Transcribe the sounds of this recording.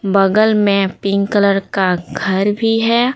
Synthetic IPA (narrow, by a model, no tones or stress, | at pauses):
bəɡəlmẽpɪ̃ŋɡkələɾkaɡʱɐɾbʱiɦɛː